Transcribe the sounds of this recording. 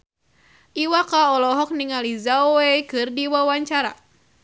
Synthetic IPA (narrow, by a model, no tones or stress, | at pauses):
ʔiwakaɔlɔɦɔk̚niŋalizawekɨrdiwawaɲt͡ʃaɾa̰